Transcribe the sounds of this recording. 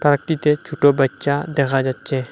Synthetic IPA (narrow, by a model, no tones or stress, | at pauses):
pɾəkt̪it̪et͡ʃʰuʈobətːʃad̪eːkʰad͡ʒatːt͡ʃẽ